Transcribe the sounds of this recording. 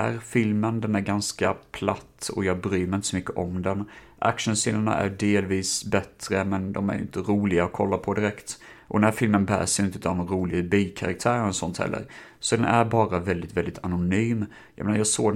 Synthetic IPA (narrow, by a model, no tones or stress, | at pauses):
æɾfɪlmənd̪ɛnæɾɡanskapʰlat̪ːɔ̰jɑːbɾyːmɛɾɪnt̪ə̥sɔmʏkːəʔɔmd̪ɛn | ʔa̰kʂənsɪlːaɳa̰ʔæ̰ɖeːlviːsbɛt̪ɾəmɛnd̪ɔmæ̰ɾjʏ̰nt̪əɾuːlɪɡaɔkʰɔlːapʰɔd̪ɪɾɛkt̪ | ʔɔd̪ɛnæːɾfɪlmənbæ̰ːsjʏɪnt̪əʉːt̪avd̪ɔmɾuːlɪɡbilkʰaɾa̰k̚t̪ʰæːɾənsɔnt̪hɛ̰lːə̰ɾ | sɔd̪ɛnʔæɾbɑːɾavɛld̪ɪt̪vɛld̪ɪt̪ʰanʊnyːm | jɑ̰meːnajɑːsoː